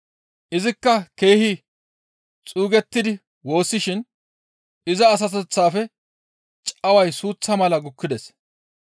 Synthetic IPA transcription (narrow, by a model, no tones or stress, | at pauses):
ʔɪzɪkːɐke̞ːhɪ | t͡sʼuːɡɛt̪ːɪd̪ɪ | wo̞ːsːɪʃɪn | ɪzɐːs̬ɐt̪ɛt͡sːaːfɛ | t͡ʃʼɐwɐjsuːt͡sːɐmɐlɐɡʊkːɪd̪ɛs